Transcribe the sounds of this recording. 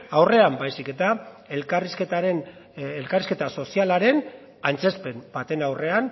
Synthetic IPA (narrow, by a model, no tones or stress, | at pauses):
awre̞ambajsike̞t̪a | elkarisket̪aɾen | elkariske̞t̪aso̞sialaɾe̞n | ant͡se̞spe̞mbat̪e̞nawre̞an